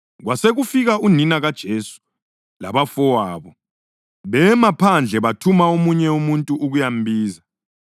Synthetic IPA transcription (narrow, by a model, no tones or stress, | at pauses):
ɣwaseɣufiɣauninaɣad̥ʒ̥ʱesu̥ | la̰βafɔwaːβɔ | βɛmapʰand͡ɮʱɛβatʰumaomuɲɛumuntʼuʔːɣujambʱiːza